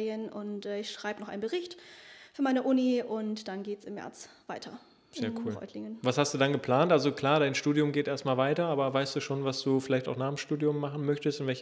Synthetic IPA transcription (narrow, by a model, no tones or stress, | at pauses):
jənʔʊntʔɛːɪçʃʁ̥aɪbənɔχʔa̰ɪnbəʁɪçtfyːɐmaɪnəʔʊniʔʊntd̥anɡeːtsɪmhɛ̰ɐt͡sv̥aɪtʰɐ | zeːɐkʰuːlʁɔ̰ʏtʰlɪŋənvashastd̥uːdanɡəpʰl̥aːntʔalzokl̥aːɐɾaɪnʃtuːdjʊmɡeːtʔeːɐstmaːlvaɪtɐaːbɐvaɪstd̥uːʃoːnvasd̥uːfɪlaɪçtaʊxnaːm̩ʃtuːdjʊmːaχn̩mœçtəstʊntv̥ɛlçə